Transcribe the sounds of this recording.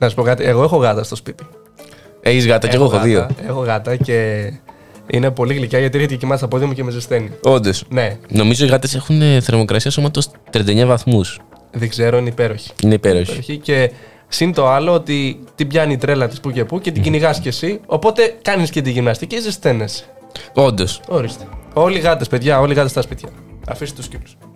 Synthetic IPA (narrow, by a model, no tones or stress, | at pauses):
nɐsɐspo̞kɐt̪ieɣoe̞xo̞ɣɐt̪ɐst̪ospit̪i̥ | eçizɣɐt̪ɐeɣoexoðioe̞xo̞ɣɐt̪ɐce̞ | ḭne̞po̞liɣlicɐʝɐt̪ieɾçet̪ececemɐsst̪ɐpo̞ðiɐmucemezest̪e̞nio̞nd̪o̞sne̞no̞mizo̞iɣɐt̪ese̞xuneθeɾmo̞kɾɐsiɐsomɐt̪ost̪ɾiɐnd̪eɲɐvɐθmus | ðeɡze̞ɾo̞ineipe̞ɾo̞çi̥ineipeɾoçeoçice̞ | sint̪o̞ɐlo̞ot̪it̪ibʝɐniːt̪ɾe̞lɐt̪i̥spuce̞puce̞t̪iɟiniɣɐscesio̞po̞t̪e̞kɐniscet̪̬iʝinɐst̪iceizest̪e̞nes | o̞nd̪o̞so̞ɾist̪e̥o̞liɣɐt̪espe̞ðʝɐo̞liɣɐt̪est̪ɐspit̪çɐ | ɐ̰fist̪et̪uscilu̥s